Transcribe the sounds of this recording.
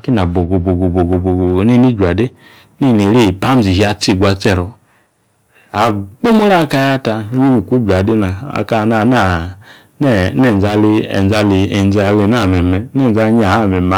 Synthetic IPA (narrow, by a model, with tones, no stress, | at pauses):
ki˦na˨bo˨ɡo˨bo˨bo˨bo˨ɡo˨bo˨ɡo˨ne˦ni˦d͡ʒu˨a˨de˦ | ne˦˨ne˨ɾi˦˨pa˦m˦zi˨ɦi˨˦a˧t͡si˦˨ɡʷa˧t͡sɛ˦˨ɾɔ˨ | a˨ɡ͡bo˦mo˦ɾa˦ka˧ja˦ta˧˦ɲi˦ni˨ku˦d͡ʒu˨a˨de˦na˨a̰˨ka˦˨na˨na˦˨ | n˦˨˦nɛ˦˨d͡za˧li˧ḛ˨n˨d͡za˧li˨e˨n˦d͡za˧˨le˧n˦a˦˨mɛ˨mɛ˨˦ne˦˨d͡za˦ɲ˦a˨a˦˨mɛ˨ma˨˦